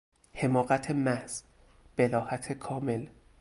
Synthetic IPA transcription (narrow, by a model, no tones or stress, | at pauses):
he̞mɒːɣæt̪ʰemæhz̥ | b̥elɒːhæt̪ʰekʰɒːme̞l